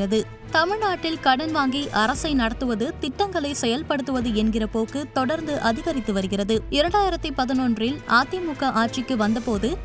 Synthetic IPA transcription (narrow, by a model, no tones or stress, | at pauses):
rɐðɯ | t̪ɐmɪɻnaːʈːɪlkɐɽɐnʋaːŋɡiʔɐɾɐsɐɪnɐɽɐt̪ːɯʋɐðɯt̪ɪʈːɐŋɡɐɭɐɪsɛjɐlpɐɽɯt̪ːɯʋɐðɯɛnɡɪrɐpoːkɯt̪ɔɽɐɾnd̪ɯʔɐðɪɣɐɾɪt̪ːɯʋɐɾɯɣɪrɐðɯɪɾɐɳɖaːjɪɾɐt̪ːɯpɐðɪnondrɪlaːt̪ːɪjɐmʊkːɐʔaːʈ̚t͡ʃɪkːɯʋɐnd̪ɐpoːðɯ